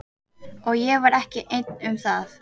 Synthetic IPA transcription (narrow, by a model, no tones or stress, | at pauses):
ɔɣjɛvaɾɛhcɪʔejt̪nʏmθaθ